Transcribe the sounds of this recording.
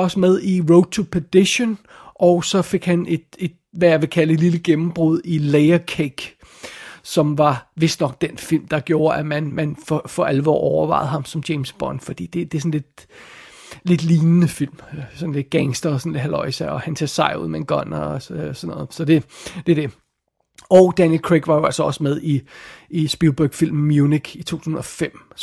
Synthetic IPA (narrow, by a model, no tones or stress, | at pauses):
ɒ̽səmeð̞ˠiʁoʊ̥t͡sʰupʰæd̥eɕon | ʔɒʊsɒ̽fe̝ɡ̥hæne̝d̥e̝d̥̚ʋæjɑ̈ʋe̝kʰæləedliləɡ̥emm̩b̥ʁuð̞̰ˠileɪɐkʰeɡ̥ | sɒ̽mʋɑ̈ʋe̝sd̥nɒ̽ɡ̥̚d̥enfil̰md̥ɑ̈ɡ̥jo̝ːɐʔæmænmænfɒfɒ̽ʔælʋɒ̰ːʔɒʊɐʋɑ̈ɪð̞̩ˠɦɑ̈msɒ̽md̥eɪmsb̥ɒnfɒ̽d̥ḭːd̥e̝d̥e̝sɔ̽n̩le̝d̥ | le̝d̥liːnənəfil̰msɒ̽n̩le̝d̥̚ɡ̥æŋsd̥ɐsɒn̩le̝d̥ɦælɒɪsɑɪɒ̽hænsʰeɐsɑ̈ɪ̰ṵð̰ˠmeenɡ̥ɒn̰ɐɒøsɒnɔ̽ːð̩ˠsɒ̽d̥e̝d̥ed̥e̝ | ɒʊd̥ænjelkʰʁeɡ̥ʋɑ̈jo̝ælsɒɒ̽səmeð̞ˠiisb̥ilb̥øɡ̥fil̰mːjuniɡ̥it͡sʰo̝̰ːt͡sʰuːhsn̩ɒ̽fem̰